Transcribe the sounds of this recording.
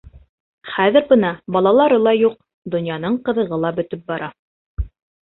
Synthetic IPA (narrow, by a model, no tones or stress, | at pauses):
χæðɘ̆ɾbɤnɑbɑlˠɑlˠɑɾɤlˠɑjuq̚ | d̪ŏnjɑnɤɴqɤ̆ðɤ̆ʁɤlˠɑbɵ̆t̪ɵp̚bɑɾɑ